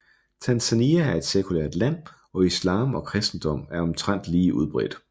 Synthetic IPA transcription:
t͡sʰænsæniææɐe̝d̥sekʰulḛɐd̥læn̰ | ɒ̽islɑ̈ːmɒ̽kʰʁasd̥n̩d̥ɒ̽m̰æɐɒ̽mt͡sʰʁan̰d̥liːʔuðˠb̥ʁɛ̰d̥

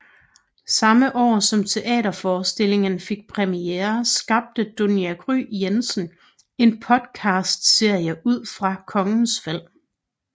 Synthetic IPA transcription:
sɑ̈məʔɒ̰ːsɒ̽mt͡sʰe̝ʔɛ̰ːɾɐfɒːsd̥e̝l̰e̝ŋənfe̝ɡ̥̚pʰʁɛmieːɐsɡ̥ɑ̈b̥̚d̥əd̥o̝niæɡ̥ʁy̰ːjensn̩ | e̝npʰɒ̽d̥kʰɑ̈ːsd̥se̝ɐ̰jəʔuð̰ˠfʁɑ̈kʰɒ̽ŋn̩sfel̰

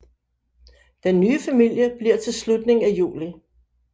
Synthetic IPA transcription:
d̥enːyːfæmil̰jəb̥liɐ̰t͡sʰe̝lslud̥ne̝ŋæjṵːli

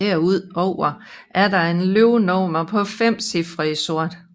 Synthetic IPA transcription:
eɐ̰uð̰ˠɒʊ̰ɐʔæɐdɑ̈e̝nløʊnɒːmɐpʰɒ̽fem̰sifʁisɔ̝ɐ̰d̥

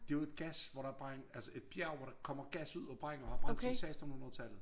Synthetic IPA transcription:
d̥e̝oe̝d̥ɡ̥æsʋɒɾ̥ɑ̈b̥ʁɑŋælsəe̝d̥̚b̥jæɐ̰ʋɒɾ̥ɑ̈kʰɒ̽m̰ɐɡ̥æsuð̞̰ˠɒ̽b̥ʁɑŋ̰n̩ɒhɑ̈fʁɑmʰsɛsd̥n̩hunɐðˠt͡sʰæl̰ð̩ˠ

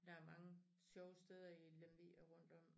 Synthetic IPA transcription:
d̥ɑ̈æɐmɑ̈ŋə | ɕjɒʊəsd̥eð̞ˠɐilemʋiæʁɔ̽n̰d̥ɒ̽m̰

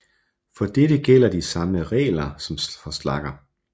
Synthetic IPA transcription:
fɒ̽d̥eɾəɡ̥el̰ɐd̥isɑ̈məʁɛ̰ːlɐsɒ̽mfɒslɑ̈ɡ̥ɐ

